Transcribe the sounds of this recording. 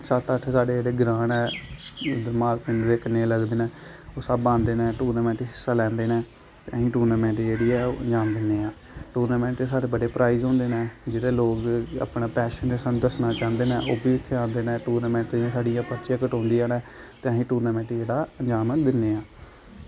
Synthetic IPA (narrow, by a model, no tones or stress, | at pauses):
sat̪əʈʰːsaːɽeːd͡ʒeːɽeːɡɾãːnɛː | d̪əɾmaːlpɪɳnd̪eːkənẽləɡd̪eːnɛː | oːsəbãːnd̪eːnɛːʈuːɾnaːmɛ̃ːɳʈiɦɪsːaːlɛ̃ːnd̪eːnɛ̃ː | t̪eəɦĩːʈuːɾnaːmɛ̃ːɳʈiːd͡ʒeːɽiːɛːoːənd͡ʒaːmd̪ɪnːeːãː | ʈuːɾnaːmɛ̃ːɳʈeːsaːɽeːbəɖeːpɾaːizɦõːnd̪eːnɛːd͡ʒeːɽeːloːka̰ːpɳaːpɛːʃəneːsaːnũːd̪əsnaːt͡ʃãːnd̪eːnɛ̃ːʔoːbʱiːɪt̪ʰːeãːnd̪eːnɛ̃ːʈuːɾnaːmɛ̃ːɳʈãːsaːɽijãːpəɾt͡ʃẽːkəʈõːnd̪iːaːnɛːt̪eəɦĩːʈuːɾnaːmɛ̃ːɳʈid͡ʒeːɽaːənd͡ʒaːmd̪ɪnːeːãː